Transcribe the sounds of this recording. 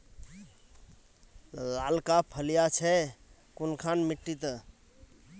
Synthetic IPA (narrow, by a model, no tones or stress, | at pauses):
lalkapʰəlijat͡ʃʰɛ | kunkʰanmiʈːit̪